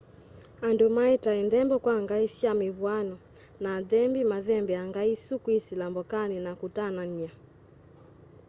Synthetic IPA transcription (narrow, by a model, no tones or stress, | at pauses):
andumaɛtainðɛmbɔkwaŋɡaisiamiβwanɔ | naðɛmbimaðɛmbɛaŋɡaisukwisilambɔkaninakutanania